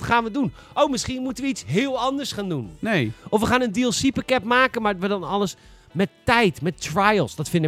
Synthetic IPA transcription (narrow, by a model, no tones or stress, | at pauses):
tχaːnʋədun | owmɪsχiənmutənʋəitsɦɪːlˠɑndəɹsχaːndunneɔfʋəχaːnəndiːlˠsipəkɛpmaːkənmaɹʋədɔnɑləs | mɛtːɛjtmɛtrajlˠsdɔtfɪndə